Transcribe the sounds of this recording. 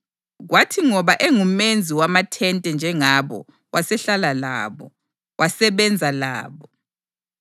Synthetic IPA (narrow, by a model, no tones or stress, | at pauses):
ɣwatʰiŋɔβaʔeŋumend͡zʱiwamatʰɛntʼɛnd͡ʒʱɛŋaβɔ̰ | wasɛɬalala̰ːβɔ̰ | wasɛβɛnd͡zʱala̰ːβɔ